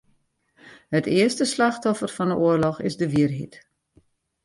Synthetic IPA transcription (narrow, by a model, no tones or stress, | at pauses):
hətɪərstəslaxtɔfərfɑnəʔuərlɔxɪ̰zdəʋiərɦḭt